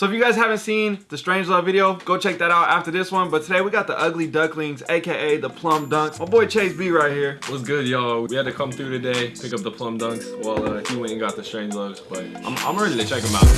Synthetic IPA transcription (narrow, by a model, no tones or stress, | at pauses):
soʊɨfjɨɡaɪz̥hævɨ̃ntsĩnðɨstɹ̥ẽɪ̃nd͡ʒlʌvvɪɾioʊɡ̥oʊt͡ʃʰɛk̚ðɨɾaʊɾæftə˞ðɪswʌ̃nbʌtʰədeɪwiɡɑt̪̚ðiʔʌɡlidʌɡlɪ̃ŋzeɪkʰeɪeɪðəpʰl̥ʌ̃mdʌ̃ŋksmaɪbɔɪt͡ʃʰeɪsbiɹaɪt̚hiɹwʌzɡʊd̚jnowiwiɨd̚tɨkʰʌ̃mθɹʉɾɨdeɪpʰɪkʌp̚ðəpʰl̥ʌ̃mdʌ̃ŋkswaɪlˠʌhiwɪ̃ñnɡɑt̪̚ðɨstɹ̥ẽɪ̃nd͡ʒlʌvz̥b̥ʌɾ̚ʔã̰ɪ̃mã̰ɪ̃mɹɛɾlˠit͡ʃʰɛkɪ̃ŋəbaʊt̚